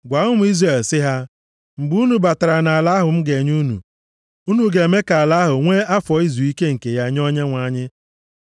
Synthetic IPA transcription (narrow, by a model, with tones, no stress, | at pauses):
ɡʷa˨˦ʊ˦m̩˨˦i˦zre˨lsɪ˦ɦa˦ | m̩˨ɡ͡bu˦u˦nu˨ba˨ta˨ɾa˨na˨a˨la˦ɦʊ˨m̩˦ɡe˨ɲu˦nṵ˨ | u˦nu˨ɡe˨me˦ka˨a˨la˦ɦʊ˨ŋʷe˦a˦fɔ˨i˦zu˨i˦ke˦ŋ̩˨ke˨ja˦ɲ˦ɔ˦ɲe˦ŋʷa˨ɲɪ˦